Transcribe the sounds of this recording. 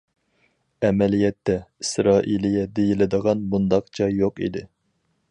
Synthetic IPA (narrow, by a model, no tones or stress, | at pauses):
ɛmɛlijɛt̪ːɛisɾɑːʔilijɛd̪ejilɪd̪əʁɑnbund̪ɑqt͡ʃʰɑjːoqḭd̪ɪ